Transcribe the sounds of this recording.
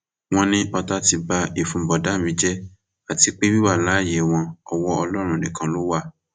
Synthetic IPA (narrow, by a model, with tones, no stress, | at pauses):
w̃ɔ̃˧nĩ˦ʔɔ˧ta˧ti˧ba˧i˨fũ˨˧˨bɔ˨da˨˦˨mĩ˨˦d͡ʒɛ˦ | a˨ti˧˦k͡pe˦bi˦wa˦˨la˨˦˨je˨w̃ɔ̃˧ɔ˨wɔ˦ɔ˧lɔ˦ɾ̃ũ˦˨nĩ˨kã˧lo˦wa˦˨